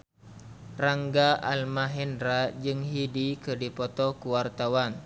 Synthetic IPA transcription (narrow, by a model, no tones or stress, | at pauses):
raŋɡaʔalmaɦɛnɾad͡ʒɨŋɦidikɨrdipɔt̪ɔkuwart̪awan